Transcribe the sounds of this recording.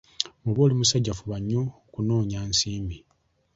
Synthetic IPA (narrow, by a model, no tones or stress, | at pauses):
muβoːlimusaɟːafuβaɲːo | kuno̞ːɲaːnsiːmbi